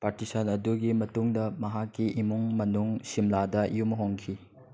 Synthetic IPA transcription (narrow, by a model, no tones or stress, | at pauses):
paɾtisɐnɐduɡimɐtuŋdɐmɐɦakːiʔimuŋmɐnuŋsimladɐjumɦoŋkʰi